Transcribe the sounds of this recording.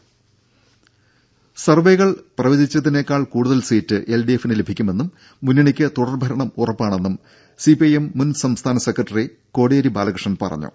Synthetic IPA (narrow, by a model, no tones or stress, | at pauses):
sɐrʋe̞jɣɐɭprɐʋidit͡ɕːɐt̪ine̞ːkːaːɭkuːɽuðɐlsiːtːɨʔe̞lɖiefinɨle̞bʱikʲːume̞nːumː | unːɐɳikʲːɨt̪uɽɐrbʱɐɾɐɳɐmurɐpːaːɳe̞nːum | sipijemːunsɐmst̪ʰaːnɐsekːrɐʈːɐri | ko̞ːɽeːɾibaːlɐkrʂɐnpɐ̰rɐ̰ɲːṵ